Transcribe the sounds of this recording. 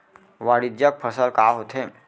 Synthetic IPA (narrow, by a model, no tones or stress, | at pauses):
ʋaɽid͡ʑjak̚pʰəsalkaɦot̪ʰe